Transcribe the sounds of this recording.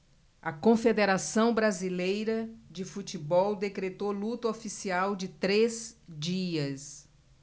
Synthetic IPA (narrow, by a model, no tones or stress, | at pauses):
ɐkõfed̪eɾasɐ̃w̃bɾazilejɾɐd͡ʒɪfut͡ʃibɔwd̪ekɾet̪olut̪ɐofisiawd͡ʒɪt̪ɾezd͡ʒiɐs